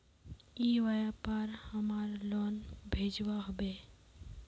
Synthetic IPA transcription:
iʋajapaɾhəmaɾlɔnbʱed͡ʒwaɦobe

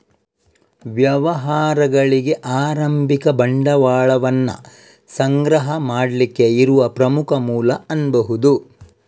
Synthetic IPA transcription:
ʋjɐʋɐɦaːɾɐɡɐɭiɡe̞ʔaːɾɐmbʱikɐbɐɳɖɐʋaːɭɐʋɐnːɐ̰ | sɐŋɡɾɐɦɐmaːɽlikːe̞iɾuʋɐpɾɐmukʰɐmuːlɐɐnbɐɦud̪u

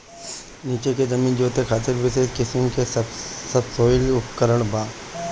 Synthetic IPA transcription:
niːt͡ʃeked͡ʒɐmĩːnd͡ʒoːt̪ekʰaːt̪̬ɪɾbɪseːʃkɪsəmkessɐbsoːɪlʊpkəɾəɽ̃baː

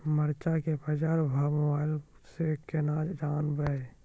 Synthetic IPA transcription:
məɾt͡ʃakebəd͡ʒaːɾbʱamobaːɪl | sekenaːd͡ʒaːnbəe

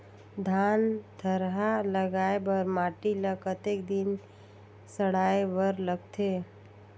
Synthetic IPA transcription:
d̪ʱaːnt̪ʰəɾɦaləɡaːebəɾmaːʈiləkət̪ek̚d̪ɪn | səɽaːebəɾləɡ̚t̪ʰe

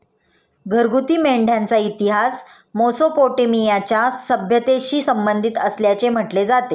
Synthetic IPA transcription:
ɡʱəɾɡut̪iːmeɳɖʱjant͡sait̪iɦas | mosopoʈemijat͡ɕjasəbʱjət̪eɕiːsəmbənd̪ʱit̪əsljat͡sem̤əʈled͡zat̪e

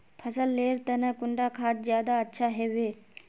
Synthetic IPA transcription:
pʰɐsəlːeːɾt̪ɐnəkʊɳɖakʰaːt̪̚zjaːd̪aɐtːʃʰaɦeːʋeː

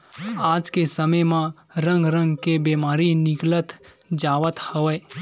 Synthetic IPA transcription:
ad͡ʒkesəməjmã | ɾə̃ŋɡɾə̃ŋɡkebemaɾinɪklət̪ | d͡ʒaʋət̪həʋəj

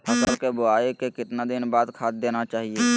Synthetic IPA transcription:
əsəlkebʊaːekekɪt̪nad̪ɪnbaːd̪kʰaːt̪̚d̪eːnat͡ʃaːɦieː

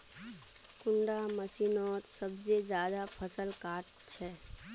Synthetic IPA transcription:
kʊɳɖaməsinɔːt̪səbsed͡ʒjaːd̪apʰəsəlkaːʈ | t͡ʃʰɛː

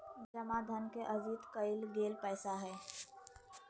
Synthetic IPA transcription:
d͡ʒəmad̪ʱənkeʔəzit̪kəɪlɡeːlpɛːsaɦɛː

